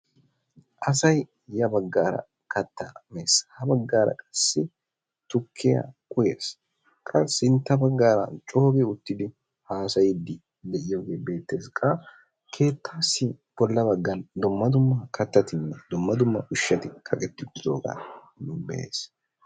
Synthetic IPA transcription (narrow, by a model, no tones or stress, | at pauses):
ʔɐsɐj | jɐbɐɡːaːɾɐ̰ | kʰɐt̪ːameːsɐ̥hɐbɐɡːaːɾɐ̰kʼɐsːɪ | t̪ʊkʰːɪjɐ̰kʼʊjes | kʼɐsɪnt̪ːɐbɐɡːaːɾɐ̰t͡ʃʼo̞ːɡeʊt̪ːɪd̪ɪ | haːsɐjɪd̪ːɪ | d̪ɛʔɪjoːɡeːbe̞ːt̪ːe̞ːskʼɐ | kʰe̞ːt̪ʰːaːsːɪ | b̥ɔlːɐbɐɡːɐnd̪ʊmːɐd̪ʊmːɐkʰɐt̪ːɐt̪ɪnːɛd̪ʊmːɐd̪ʊmːɐʔʊʃːɐt̪ɪkʰɐkʼɛt̪ːɪʊt̪ːɪd̪o̰ːɡɐ̰ | bɛ̰ḛːs